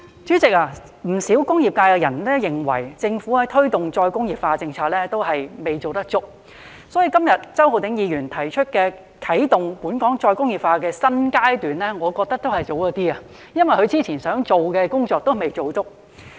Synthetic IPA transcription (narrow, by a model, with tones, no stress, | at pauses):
t͡ʃyː˨˥t͡sɪ˨k̚aː˧ | m̩˨˩siː˨˥wkʊ˥ŋjiː˨p̚kaː˧jkɛː˧jɐ˨˩nlɛː˥jɪ˨ŋwɐ̰˨˩jt͡sɪ˧ŋfuː˨˥aː˧˥t̪ʰɵ˥ɥt̪ʊ˨ŋt͡sɔː˧jkʊ˥ŋjiː˨pfaː˧t͡sɪ˧ŋt͡sʰaː˧t̚lɛː˥t̪o˥wɦɐ˨jme˨˩jt͡so˨wt̪ɐ˥k̚t͡sʊ˥k̚ | sɔː˨˥jiː˨˧˩kɐ˥mjɐ˨t̚t͡sɐ˥who˨˧wt̪ɪ˨˥ŋjiː˨˧ɥyː˨˩nt̪ʰɐ˨˩jt͡ʃʰɵ˥t̚kɛː˧ | kʰɐ˨˥jt̪ʊ˨ŋpuː˨˥nkɔː˨˥ŋt͡ʃɔː˧jkʊ˥ŋjiː˨˩pfaː˧kɛː˧sɐ˥nkaː˥jt̪yː˨nlɛː˥ŋɔː˨˧kɔː˧k̚t̪ɐ˥k̚t̪o˥whɐ˨jt͡so˨˥wjɔː˨˥t̪iː˥a˨ | jɐ˥nwɐ˨jhʰɵ˨˧ɥt͡siː˥t͡sʰiː˨˩nsœː˨˥ŋt͡so˨wkɛː˧kʊ˥ŋt͡sɔː˧k̚t̪o˥wme˨jt͡so˨wt͡sʊ˥k̚